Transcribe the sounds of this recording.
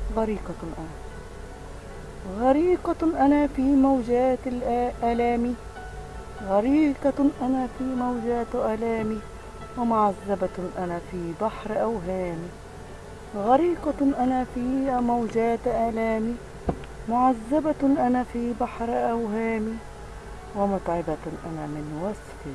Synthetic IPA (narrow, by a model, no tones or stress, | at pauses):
ɣaɾiːqɑʔana | ɣaɾiːqɑʔanafiːmawd͡ʒaːt̪lʔaːlaːmi | ɣaɾiːqɑʔanafiːmawd͡ʒaːt̪ʔalaːmi | wɪmʊʕazːabaʔanafiːbaħɾʔawɦaːmi | ɣaɾiːqɑʔanafiːmawd͡ʒaːt̪ʔaːlaːmi | mʊʕazːabaʔanafiːbaħɾʔawɦaːmi | wɪmʊt̪ˤʕɪbaʔanamɪnwasfɪ